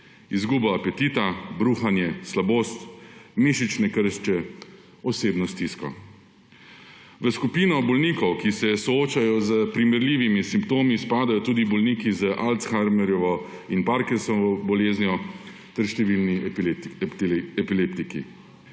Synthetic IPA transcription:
izɡuːbɔapɛt̪iːt̪abɾuːxanjɛslaboːst̪miʃit͡ʃnɛkəɾʃt͡ʃɛ | ɔseːbnɔst̪iskɔ̰ | ʋəskupiːnɔbɔlniːkɔwkisɛsɔoːt͡ʃajɔzəpɾimɛɾliːʋimisimpt̪oːmispaːd̪ajɔt̪uːd̪ibɔlnikizəʔalt̪sxaɾmɛɾjɔʋɔ | inpaɾkɛsɔʋɔbɔleːznjɔ | t̪ɛɾʃt̪ɛʋilni | ɛpilept̪ikḭ

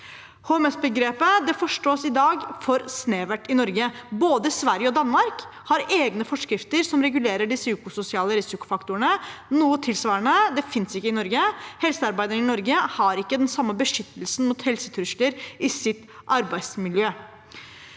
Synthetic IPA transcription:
hoːmɛsbəɡɾeːpəd̪ɛfɔʂʈoːsɪd̪ɑːɡfɔɾsneːʋæʈːɪnɔɾɡəboːd̪əsʋæɾjəɔd̪ɑnːmɑɾk | hɑɾeːɡnəfɔʂkɾɪft̪əɾsɔmɾɛɡʉleːɾəɖɪsəʉːkʊsʊsɪɑːləɾɪsɪkʊ̥fɑkt̪ʊəɳənuːət̪ʰɪlsʋɑːəɳəd̪ɛfɪnsɪkːəɪnɔɾɡəhɛlsəɑɾbæɪd̪əɾənɪnɔɾɡəhɑɾɪkːəd̪ɛnsɑmːəbəʂʏt̪ːəlsn̩muːt̪hɛlsət̪ʰɾʉʂləɾɪsɪt̪ | ʔɑɾbæɪsmɪljøː

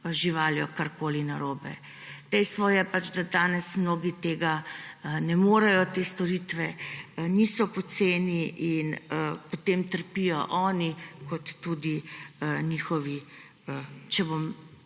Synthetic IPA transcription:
ʒiʋaːljɔkaɾkoːlinaɾoːbɛ | d̪̥ɛjst̪ʋɔjɛpat͡ʃd̪ad̪aːnɛsmnoːɡit̪eːɡanɛmoːɾɛjɔt̪eːst̪ɔɾit̪ʋɛnisɔpɔt̪seːniʔinəpɔt̪eːmt̪əɾpijɔʔɔːnikɔt̪ːud̪inixɔʋi | t͡ʃɛbom

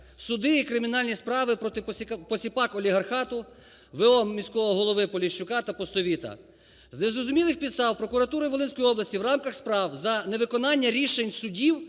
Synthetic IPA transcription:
sʊd̪ɪikɾɪmʲinɑlʲnʲispɾɑʋɪpɔt̪ɪpɔsʲipɑkɔlʲiɦɐrxɑt̪ʊ | ʋeɔmʲisʲkɔʋɔɔɦɔlˠɔʋɪpɔlʲiʃʊkɑt̪ɐpɔst̪ɔʋʲit̪ɐ̰ | znezɾɔzʊmʲilˠɪxpʲid̪st̪ɑwpɾɔkʊɾɐt̪uɾɪjʋolˠɪnsʲkɔjɔblˠɐsʲtʲiwrɑmkɐxspɾɑwzɐneʋɪkɔnɑnʲːɐɾʲiʃenʲsʊdʲiw

